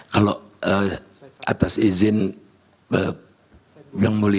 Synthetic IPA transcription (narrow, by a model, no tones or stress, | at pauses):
kaloə | a̰t̪asizɪn | ə | jaŋmuli